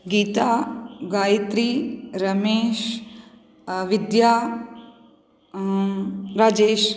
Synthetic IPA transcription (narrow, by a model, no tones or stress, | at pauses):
ɡiːt̪aːɡaːjt̪ɾiɾɐmeːʃ | ʋid̪jaː | ɾaːd͡ʒeːʃ